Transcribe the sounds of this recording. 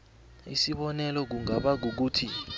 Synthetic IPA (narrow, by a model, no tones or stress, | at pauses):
ḭsiɓɔnɛlɔk̬uŋaɓak̬uk̬uːtʰi